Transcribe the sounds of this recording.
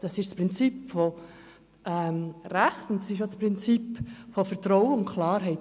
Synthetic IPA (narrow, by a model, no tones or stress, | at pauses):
d̥ɑsɪʃspʁɪnt͡sipfɔ | ɛmræχtʊntdɑsɪʃ̬ospɾɪnt͡sipfofɛɾtɾɔwəʊnkʰlɑːɾɦɛɪt